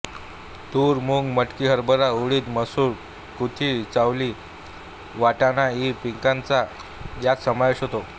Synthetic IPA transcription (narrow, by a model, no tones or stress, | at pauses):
t̪uːɾmuŋɡməʈkiːɦəɾbəɾauɭiːt̪məsuːɾ | kut̪ʰiːt͡sawliː | ʋaʈanaipiŋkãnt͡sa | jat͡ssəmaʋeɕɦot̪o